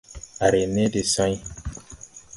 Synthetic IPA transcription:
a˨ɾe˨ne˦de˨sã˦j

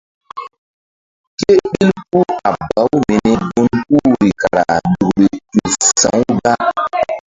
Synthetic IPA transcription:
ke˦ɓi˦lpu˦a˨ba˨˦wme˨nɛ˦ɡo˦nku˦ɾi˨ka˨ɾa̰˨ɗu˨ɡɾe˨ti˨sã̰˨˦wɡa˦

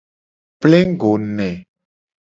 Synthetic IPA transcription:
plẽ˦ŋ˦ɡo˨nɛ̃˨

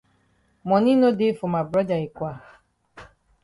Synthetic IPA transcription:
mɔ˨ni˦no˦de˦fo˨ma˨bɾɔ˦d͡ʒa˨i˨kʷa˨

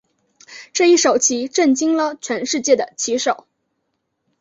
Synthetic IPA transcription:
ʈ͡ʂɤ˥˧i˥˩ʂo˨˩ʊt͡ɕʰi˧˥ʈ͡ʂə˥˩ŋt͡ɕi˥ŋlə˨t͡ɕʰɥɛ˧˥nʂɻ̩˥˧t͡ɕjɛ˥˩d̪ə˩t͡ɕʰi˧˥ʂo˨˩˦ʊ

